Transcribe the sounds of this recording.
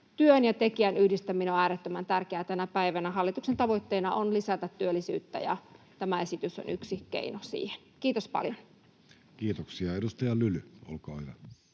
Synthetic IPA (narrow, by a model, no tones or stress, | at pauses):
t̪yønjɑt̪ekiænyhdist̪æmːinoæːɾet̪ːømænt̪ærkeæːt̪ænæpæiʋænæɦɑlːit̪uksent̪ɑʋoit̪ːeːnɑonlisæt̪æt̪tyølːisy̰ːt̪ːæ̰jɑ̰t̪æmæesit̪yso̰nʔyksikḛinosḭːhenkiːt̪ospɑ̰ljon | kiːt̪oksiɑedust̪ɑjɑlylyo̰lkoːiʋɑ